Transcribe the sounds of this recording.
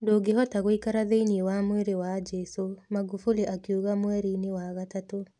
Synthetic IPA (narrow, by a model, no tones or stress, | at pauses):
ndoɡeɦɔtaɣoikaɾaðeiniewamweɾewad͡ʒɛsomaɣufuliʔakjuɣamwɛɾinewaɣatato